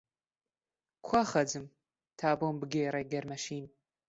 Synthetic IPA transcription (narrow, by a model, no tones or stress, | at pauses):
kʷʰɐχɐd͡zɨm | tʰaːbombɨɡʲɐjɛɾɐɡʲɐrmɐʃiːn